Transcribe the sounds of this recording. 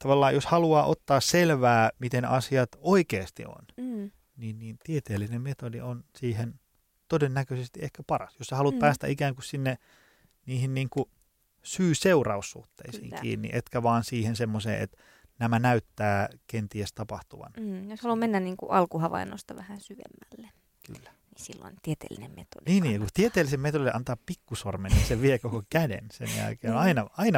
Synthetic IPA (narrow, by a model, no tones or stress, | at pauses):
t̪ɑʋɑlːɑːjjoshɑluɑːʔot̪ːɑːsselʋæːmit̪enɑsiɑt̪oikeːst̪ḭo̰n | niːnniːnt̪iet̪eːlːinemmet̪odionsiːhen | t̪odenːækøsest̪iehkæpɑrɑsjossɑhɑlut̪̚pæːst̪æ̰ikæːŋkussinːe | niːhinniːŋku | syːseurɑusːṵht̪ːḛisḭːŋkḭːnːḭʔet̪kæʋɑːnsiːhensemːosḛːʔḛt̪ | næmænæyt̪ːæːkent̪iest̪ɑpɑht̪uʋɑ̰njoshɑlummenːænniːŋkṵʔɑlkuhɑʋɑ̰inːo̰st̪ɑʋæhænsyʋḛmːælːe | ky̰lːæ̥nisilːo̰int̪iet̪ḛːlːḭnemmet̪o̰dniːnnijɑkut̪iet̪eːlːisemet̪olilːeʔɑnt̪ɑːppikːusormenninseʋiekokokædḛnsḛnjæ̰lkḛːonɑinɑɑinɑ